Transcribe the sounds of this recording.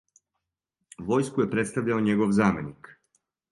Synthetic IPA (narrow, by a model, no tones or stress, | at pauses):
ʋo̞jskuje̞pɾe̞t̪st̪aʋʎaoɲe̞ɡoʋzaːmenik